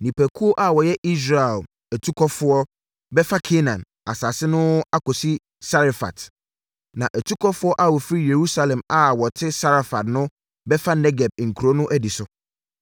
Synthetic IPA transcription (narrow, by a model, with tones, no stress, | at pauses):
nĩ˨pæ˨kʰu˦ɔ˦ʔa˦˨wɔ˨jɛ˦ʔi˦s̬ɾa˨ɛ˨l | æ˨tʰu˦kʰɔ˦fʊ˦ɔ˦ | bɛ˦fa˦kʰe˦nã˨n | a˨saː˨sɪ˦nʊ̃˦a˦kɔ˨si˦ | sa˦ɾa˨fa̰˨t | nã˨ʔæ˨tʰu˦kʰɔ˦fʊ˦ɔ˦ʔa˦wɔ˨fɾi˦je˨ɾu˦sa˦lɛ̃˨ma˨wɔ˨tʰɪ˦sa˦ɾa˨fa˨tnʊ̃˦ | bɛ˦fa˦nɛ˦ɡɛ˨b̚ŋ̩˨kʰu˨ɾo˦nʊ̃˦ʔæ˦di˨sʊ˨